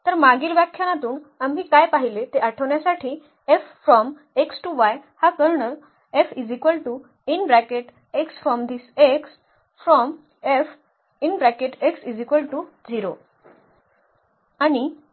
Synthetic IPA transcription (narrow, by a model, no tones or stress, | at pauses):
t̪əɾmaɡiːlʋjakʰːjanat̪uːnamɦiːkajpaɦilet̪eʔaʈʰəʋɳjasaʈʰiː | effɾɔm | eksʈuʋajhakəɾɳə | efid͡zikʋəlʈu | inbɾækeʈ | eksfɾɔmd̪ʱiseks | fɾɔm | ef | inbɾakeʈeksid͡zikʋəlʈud͡ziɾo | añi